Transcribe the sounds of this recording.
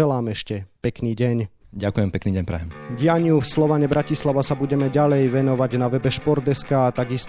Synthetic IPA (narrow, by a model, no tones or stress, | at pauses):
ɛlaːmɛʃcɛpɛkniːɟɛɲ | ɟakujɛmpɛkniːɟɛɲpɾɛ̰jɛmɟɪjaɲufslɔʋaɲɛbɾacislaʋasabuɟɛmɛɟalɛjʋɛnɔʋaɟnaʋɛbɛʃpɔɾd̪ɛskaːt̪aɡist̪